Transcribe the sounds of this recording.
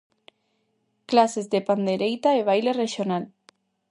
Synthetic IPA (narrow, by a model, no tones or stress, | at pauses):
klasezðepand̪eɾejt̪aeβ̞ajlereʃjonal